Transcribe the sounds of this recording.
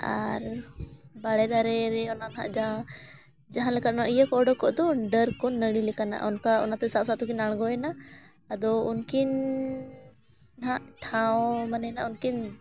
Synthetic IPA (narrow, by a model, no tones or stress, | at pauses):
a̰ɾ | baɽɛd̪aɾɛɾɛɔnanɦa̰ʔd͡ʒaã | d͡ʒaɦãlɛkat̪̚ɔnaʔijɛkɔɖɔkɔʔd̪ɔɖəɾkɔnəɽilɛkana̰ʔɔnkaɔnat̪ɛsabsat̪ukinaɽɡɔɛnaː | d̪ɔunkin | ɦaʔʈʰawɔ̃manɛnaʔunkin